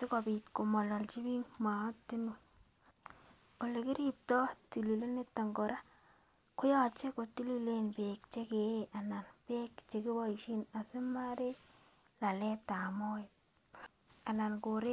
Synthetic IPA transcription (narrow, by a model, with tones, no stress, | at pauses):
sɪ˦kɔ˨bi˨tko˨mɔ˨lɔ˨lt͡ʃi˦bi˦ŋma˨˦tːi˦nu˨ | ko˨le˨kɪ˦ɾip̚tɔ˦ti˨li˨le˦ne˦tːa˨ŋɡɔ˨ɾa˦ | kʊ˦jɔ˨t͡ʃe˦ko˨ti˦li˦le˦nbekt͡ʃe˦ke˨ʔa˨na˨nbe˦kt͡ʃe˨kɪ˦bɔ˦i˨ʃi˦na˨se˦ma˦ɾe˦ | la˨le˦ta˨mo˦ɪ˨t̚ | a˨na˨nko˨ɾe˦